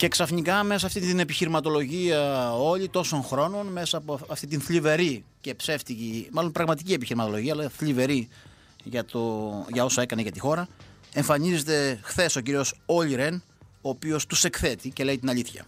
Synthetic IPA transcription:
ce̞ksɐfnikɐme̞sɐsːft̪it̪ine̞piçiɾimɐt̪o̞lo̞ʝiɐo̞lit̪o̞so̞nxɾo̞no̞nme̞sɐpoɐft̪it̪inθʎive̞ɾice̞pse̞ft̪icimɐlo̞npɾɐɣmɐt̪icie̞piçiɾimɐt̪o̞lo̞ʝiɐlɐθlive̞ɾi | ʝɐt̪oʝɐo̞sɐe̞kɐneʝɐt̪ixo̞ɾɐ | e̞ɱfɐnize̞t̪e̞xθe̞so̞ciɾio̞soliɾe̞n | oːpio̞st̪use̞kθe̞t̪ice̞le̞it̪inɐʎiθçɐ̰

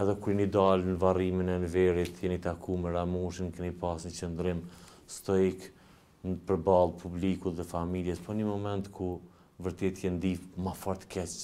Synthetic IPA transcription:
ɛðɛkuɾinid̪alnəvariminɛnvɛɾit̪kɛnit̪akʰumɛɾamuʃinkɛnipasnət͡ʃənd̪ɾɪmst̪ɔik | nəpəɾbalˠpʰublikut̪ðɛfamiljɛspɔnimɔmɛnt̪ku | vəɾt̪ɛt̪ʰjɛnd̪ifmafɔɾt̪ə̥kʰɛt͡ʃ

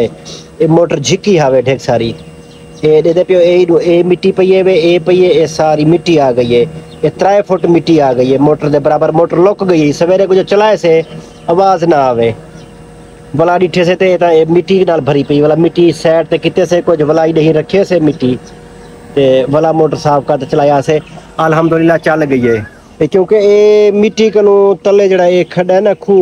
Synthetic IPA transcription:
eː | eːmoːʈəɾd͡ʒʱɪkiːɦaːʋeːɖʱeːksaːɾiː | eːɗed̪eːpjõːeːeːmɪʈiːpəiːeʋeːeːpəiːeːeːsaːɾiːmɪʈiːaːɡəiːɦeː | eːt̪ɾaːeːpʰʊʈmɪʈiːaːɡəiːɦeːmoːʈəɾd̪eːbəɾaːbəɾmoːʈəɾloːkɡəiːɦeiːsəʋeːɾeːkʊd͡ʒt͡ʃəlaːeːseː | əʋaːznaaːʋeː | ʋəlaːɗɪʈʰeːs̬eːt̪eːt̪ãːeːmɪʈiːknaːlbʱəɾiːpəiːʋəlaːmɪʈiːsɛːʈ̚t̪eːkɪt̪eːseːkʊd͡ʒʋəlaːiːnəɦĩɾəkʰeːseːmɪʈːiː | t̪eːʋəlaːmoːʈəɾsaːpʰkaːt̪eːt͡ʃəlaːeaːseːəlɦəmd̪ʊlɪlːaːt͡ʃəlɡəiːɦeː | eːkjõːkeeːmɪʈiːkənũːt̪əleːd͡ʒeːɽaːeːkʰəɗaːɦenaːkʰuː

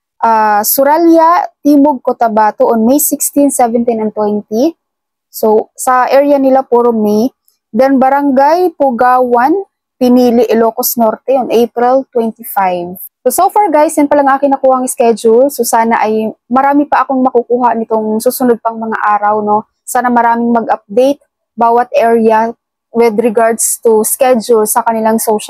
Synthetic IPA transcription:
ʔaːsʊɾaljat̪iːmoɡ̚kot̪ɐbaːt̪oʔonmejsɪkst̪insɛvɛnt̪inɐnt̪wɛnt̪i | sosɐʔɛɹjɐnɪlapoɾmij | d̪ɐnbɐɾaŋɡajpʊɡaːwan | pɪniːlɪʔɪloːkosnoɾt̪ɛjonʔejpɾɪlt̪wɛnt̪ifajv | sosofaɹɡajsjɛnpɐlɐŋʔaːkɪŋnɐkuːhɐŋskɛd͡ʒʊlsosaːnaʔɐjmɐɾaːmɪpɐʔɐkoŋmɐkʊkuːhanɪt̪o̞ŋsuːsʊnod̪̚pɐŋmɐŋa̰ʔaːɾɐwno̞ | saːnɐmɐɾaːmɪŋmɐɡ̚ʔɐp̚d̪ejt̪̚ | baːwɐt̪̚ʔɛɹɐ | wɪd̪ɾɪɡaɹd̪st̪ʊskɛd͡ʒʊlsɐkɐnɪlaŋsowʃɐ

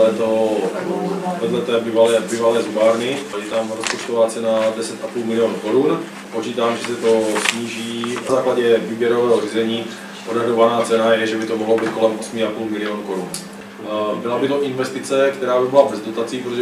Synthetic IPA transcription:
ɛt̪o | vɛdlɛt̪ɛːbivalɛːbivalɛːzubaːɾnɪjɛt̪amɾospot͡ʃt̪ovaːt͡sɛnadɛsɛt̪ʔapuːlmɪlɪoːnukoɾun | po̞t͡ʃiːt̪aːmʒɛsɛt̪osɲiːʒiːnazaːklaɟɛviːbjɛɾovɛːɦoriːzɛɲiː | podaɦɾovanaːt͡sɛnajɛʒɛbɪt̪omoɦlobiːt̪ko̞lɛmʔosmiapuːlmɪlɪoːnuko̞ɾun | bɪlabɪt̪oʔɪnvɛst̪ɪt͡sɛkt̪ɛɾaːbɪbɪlabɛzdo̞t̪at͡siːpɾot̪ʒɛ

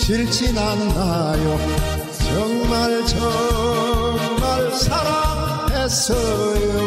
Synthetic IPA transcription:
t͡ɕiɭt͡ɕʰinanɯna | jo | t͡ɕʌŋmaɭt͡ɕʌ | ŋmaɭsʰaɾam | esʌ | jo

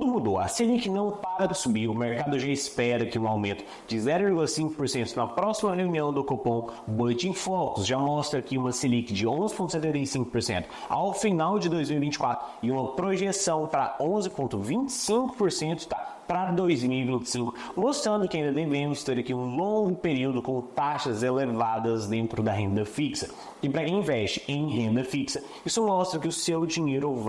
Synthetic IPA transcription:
ud̪ʊmud̪oɐ̰selikɪnɐ̃w̃paɡɐd̪ʊsubiʊmeɾkad̪ʊʒaɪspɛɾɐkɪũawmẽnt̪ʊ̥ | d͡ʒɪzɛɾʊviɾɡulɐsĩŋkʊpoɾsẽnt̪ʊnɐpɾɔsimɐheũniɐ̃w̃d̪ʊkopõw̃boet͡ʃĩfɔkʊsʒamɔst̪ɾɐkɪũmɐselikɪd͡ʒɪõzɪpõnt̪sɛt̪ẽnt̪ejsĩŋkʊ̥poɾsḛ̃nt̪ʊ̥ | a̰wfinawd͡ʒɪd̪ojzmiuwivĩnt͡ʃɪkwat̪ɾʊɪũmɐpɾoʒesɐ̃w̃pɾɐ̰õzɪpõnt̪ʊvĩt͡ʃɪ̥sĩkʊ̥poɾsẽnt̪ʊ̥t̪apɾɐd̪ojzmiwivĩnt͡ʃɪ̥sĩŋkʊ̥most̪ɾɐ̃nd̪ʊkɪaĩd̪ɐd̪emẽmʊzt̪eɾɐkiũlõɡʊpeɾiwd̪ʊkõt̪aʃɐzelevad̪ɐzd̪ẽnt̪ɾʊd̪ɐɦẽnd̪ɐfiksɐ | ɪpɾɐkẽj̃ĩvɛst͡ʃɪ̥ẽj̃ɦẽnd̪ɐfiksɐ | isʊmɔst̪ɾɐkɪʊsewd͡ʒiɲejɾ

